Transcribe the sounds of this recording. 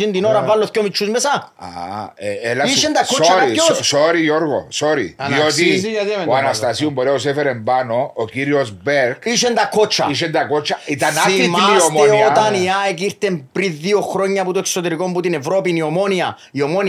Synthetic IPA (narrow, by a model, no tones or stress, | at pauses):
ind̪inoɾavalːoθcomit͡ʃʰːuzmesaa̰eelaiiʃend̪akʰːot͡ʃaɾossoɾijoɾɣo̰soɾḭaiot̪is̬ijaðioanast̪asiumboɾeosefeɾembanoːkiɾiozbeɾkiʃend̪akʰːot͡ʃʰːa̰iʃend̪akot͡ʃːaiaaimaiomiot̪aniaekiɾt̪empɾiðːioxɾoɲːaput̪oeksot̪eɾikombut̪inevɾopiniomonia | iomon